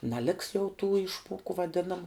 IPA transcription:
nɐˈlʲɪks jɛʊ tuː ˈɪʃmuɔkʊ ʋɐˈdʲɪnɐmʊ

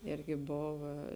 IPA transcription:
ˈɪrʲɡʲɪ ˈboːʋɐ

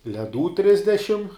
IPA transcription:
lʲɛˈduː ˈtʲrʲɪzʲdʲɛʃʲɪm

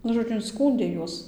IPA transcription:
ˈnʊ ʒoːˈd͡ʒʲʊ ɪnˈskuːnʲdʲeː ˈjuɔs

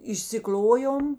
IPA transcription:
ɪʃʲsʲɪˈklʲoːjoːm

